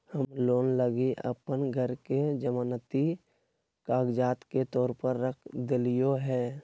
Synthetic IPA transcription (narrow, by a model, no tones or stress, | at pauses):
həmloːnləɡiʔə̰pənɡʱəɾked͡ʒəmanət̪i | kaːɡd͡ʒaːt̪ket̪ɔːɾpəɾːəkʰd̪ɪlɪjoɦɛː